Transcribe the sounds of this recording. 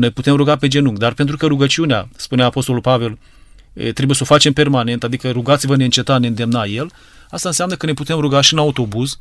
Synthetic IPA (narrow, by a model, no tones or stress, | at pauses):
nejput̪e̞mɾuɡape̞d͡ʒe̞nuŋɡd̪arpe̞nt̪ɾukəɾuɡət͡ʃiuneaspuneapo̞st̪o̞lulpave̞l̰ | t̪ɾe̞buje̞so̞fat͡ʃe̞mpe̞rmane̞nt̪ad̪ikəɾuɡat̪sivəne̞ɨnt͡ʃe̞t̪ane̞ɨnd̪e̞mnaje̞l | ast̪aɨnseamnəkəneput̪e̞mɾuɡaʃiɨnaut̪o̞buz